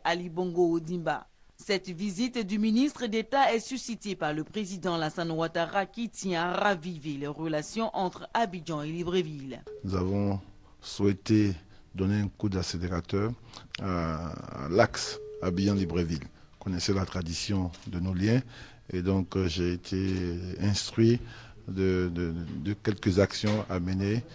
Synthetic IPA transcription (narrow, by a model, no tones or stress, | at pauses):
alibɔ̃ŋɡood̪ĩmba̰ | sɛt̪vizit̪d̪yminist̪χəd̪et̪aɛsysit̪epaʁləpχezid̪ɑ̃lasãnwat̪aʁakʲit̪jɛ̃aʁavivelɛʁəlasjɔ̃ʔɑ̃t̪χabiʒɑ̃elibʁevilnuzavɔ̃ | swɛt̪e | d̪ɔneɛ̃kud̪aseleʁat̪œʁa̰ | laksabijɑ̃libʁevil | kɔnɛsɛlat̪χad̪isjɔ̃d̪ənoljɛ̃ | ed̪ɔ̃kʒeːt̪ʰeɛ̃st̪χɥid̪əd̪əd̪əkʲɛlkəzaksjɔ̃ʔaməne